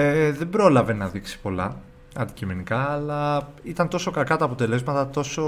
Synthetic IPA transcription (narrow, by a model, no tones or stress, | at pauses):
eðe̞bɾo̞lɐve̞nɐðiksi̥po̞lɐ̰ | ɐnd̪icimenikɐːlɐit̪ɐnt̪o̞so̞kɐkɐt̪ɐːpo̞t̪e̞le̞zmɐt̪ɐt̪o̞so̞